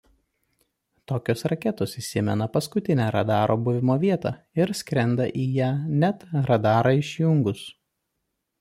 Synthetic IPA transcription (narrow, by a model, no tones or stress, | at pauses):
t̪oːkʲoːsɾɐkʲɛt̪oːsɪsʲɪmʲɛ̰nɐpɐskʊt̪ʲɪnʲæːɾɐ̰d̪ɑːɾʔoːbʊʋʲɪmoːʋʲiɛt̪ɑ̰ː | ɪɾsʲkʲɾʲɛnd̪ɐʔiːjæːnʲæt̪ɾɐd̪ɑːɾɑɪʃʲjʊŋɡʊs